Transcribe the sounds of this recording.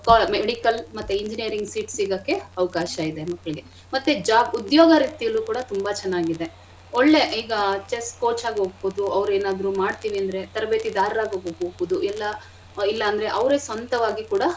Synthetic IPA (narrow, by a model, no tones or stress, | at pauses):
kːmeɽikɐlmɐt̪ːuiɲd͡ʒinijɐɾiŋɡsiːʈsiːɡakːe̞ɐʋɐkaːʃɐid̪emɐkːɐɭiɡe̞ | mɐt̪ːed͡ʒaːbud̪joːɡɐɾiːt̪ijɐluːkuːɽɐt̪umbɐt͡ʃɛnːaːɡid̪e̞ | oɭːe̞iːɡɐt͡ʃesʈkoːt͡ʃaːɡeɦoːɡ̚bod̪uɐʋɾeːnaːd̪ɐɾumaːɽt̪iːʋiɐnd̪ɐɾet̪ɐɾɐbet̪id̪aːɾɾaːɡoːɡoːɡɦoːɡbod̪uʔɛlːɐ | ilːɐːnd̪ɐɾe̞ʔɐʋɾesʋɐnt̪ɐʋaːɡikuːɽɐ